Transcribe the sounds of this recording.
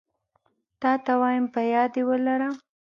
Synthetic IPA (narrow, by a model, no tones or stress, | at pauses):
t̪ɑt̪awɑjɪmpəjɑd̪ewəlaɾəm